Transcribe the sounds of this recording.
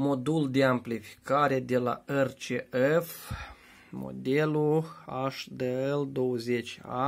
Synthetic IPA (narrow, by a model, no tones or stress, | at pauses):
mo̞d̪uld̪e̞amplifi̥kaɾe̞d̪e̞la̰ert͡ʃeef | mo̰d̪eluaʃd̪əeld̪o̞wəzet͡ʃʲa̰